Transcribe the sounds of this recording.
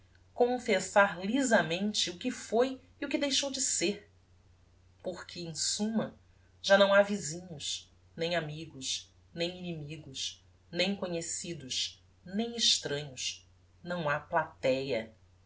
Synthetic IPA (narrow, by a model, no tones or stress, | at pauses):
kõfesaɾlizɐmẽnt͡ʃɪʊkɪfoj | iukɪd̪ejʃowd͡ʒɪseɾ | poɾkʰɪẽj̃sũmɐ | ʒ̥anɐ̃w̃avizĩɲʊʃ | nẽj̃amiɡʊʃ | nẽj̃inimiɡʊʃ | nẽj̃koɲesid̪ʊʃ | nẽj̃ɪʃt̪ɾɐ̃ɲʊʃ | nɐ̃w̃aplat̪ɛjɐ̰